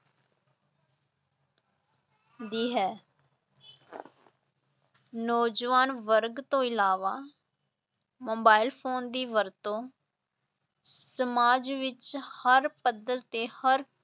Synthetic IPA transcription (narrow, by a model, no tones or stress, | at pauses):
d̪iːɦɛː | nɔːd͡ʒʋaːnʋəɾɡt̪õːɪlaːʋaː | moːbaːɪlpʰoːnd̪iːʋəɾt̪õː | səmaːd͡ʒʋɪt͡ʃhəɾpəd̪əɾt̪eːhəɾ